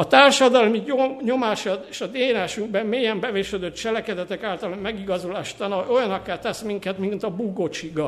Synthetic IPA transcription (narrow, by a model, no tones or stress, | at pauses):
ɒt̪aːrʃɒd̪ɒlmioɲo̞maːʃɒt̪eːʃɒd̪eːlaːʃyŋɡ̚bɛmmeːjɛmbɛveːʃød̪øt̪t͡ʃɛlɛkɛd̪ɛt̪ɛkaːlt̪ɒlommɛɡiɡɒzulaːʃt̪ɒnɒo̞jɒnɒkːaːt̪ɛsmiŋkɛt̪mint̪ɒbuɡo̞t͡ʃiɡɒ